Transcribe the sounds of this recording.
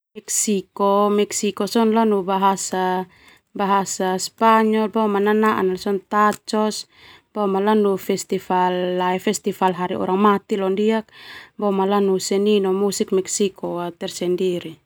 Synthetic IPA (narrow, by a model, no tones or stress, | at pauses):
mɛksikɔmɛksikɔsɔnlanubaɦasa | baɦasaspaɲɔlbɔmananaʔa̰nlasɔnt̪at͡ʃɔs | b̥ɔmalanufɛst̪ifalːaɛfɛst̪ifalɦaɾiɔ̰ɾaŋmat̪ilɔndiak̚bɔmalanusɛninɔmusik̚mɛksikʰɔat̪ɛrsɛndiɾi